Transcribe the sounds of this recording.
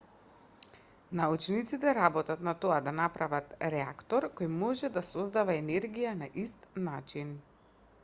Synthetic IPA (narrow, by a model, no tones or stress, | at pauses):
naut͡ʃnit̪sit̪ɛɾabɔt̪at̪nat̪oad̪anapɾavat̪ɾɛa̰kt̪ɔɾkojmɔʒɛd̪asɔzd̪avaɛnɛɾɡijanaʔist̪nat͡ʃin